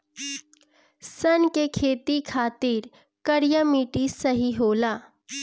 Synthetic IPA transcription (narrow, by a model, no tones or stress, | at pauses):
sənkekʰeːt̪ikʰaːt̪iːɾ | kəɽjəmiːʈisəɦiɦoːlaː